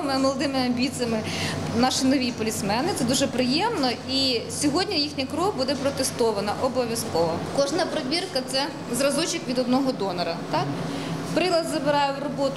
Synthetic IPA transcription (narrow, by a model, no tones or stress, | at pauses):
mɪmɔlˠɔd̪ɪmɪɐmʲbʲit͡s̪ʲijɐmɪnɑʃɪnɔʋʲijpɔlʲismɛnɪt̪sɛd̪uʒɛpɾɪjɛmnɔisʲɔɦɔdʲnʲɐjixnʲɐkɾɔɦbud̪ɛpɾɔt̪est̪ɔʋɐnɐʔɔbɔʋʲjɐskɔʋɔkɔʒnɐpɾɐʋʲirkɐt̪sɛ | zrɐzɔt͡ʃɪkʋʲid̪ɔd̪̚nɔɦɔd̪ɔnɐɾɐt̪ɑk | pɾɪlˠɐd̪zɐbɪɾɑjɛwrɔbɔt̪ʊ